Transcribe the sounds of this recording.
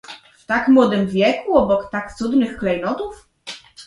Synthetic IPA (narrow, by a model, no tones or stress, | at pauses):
ft̪akmwɔd̪ɘmvʲjɛkuɔbɔkt̪akt̪sud̪nɘxklɛjnɔt̪uf